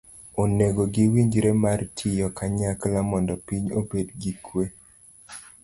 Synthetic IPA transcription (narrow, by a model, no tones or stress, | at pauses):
oneɡoɡiwiɲd͡ʒɾemartʰɪjɔkaɲaklamɔndɔpiɲobedɡikwe